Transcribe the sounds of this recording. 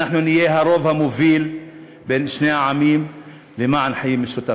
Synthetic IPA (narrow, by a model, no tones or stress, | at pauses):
aħnunɪjeːɦaɾˤoːvhamʊviːl | beːnʃneːʕamiːm | lɪmaʕanħajiːmɪʃʊt̪a